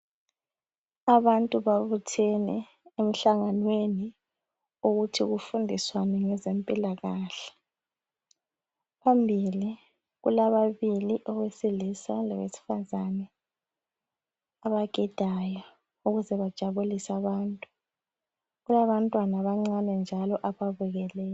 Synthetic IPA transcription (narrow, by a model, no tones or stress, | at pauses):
aβantʼuβaβutʰɛnɛ̰ | em̩ɬaŋanweni | uɣutʰiɣufundʱiswanɛŋɛzempʼilaɣaːɬɛ̥ | pʰambʱili | ɣṵlaβaβiliʔɔɣwesilisa̰lɔ̰βḛsi̥fazanɛ | aβaɡ̥ʱid̥ʱajɔ | uɣuzɛβad̥ʒ̥ʱaβulisaβaːntʼu | ɣulaβantʼwanaβaŋ͡ǀanɛnd͡ʒʱalɔʔaβaβuɣɛlɛː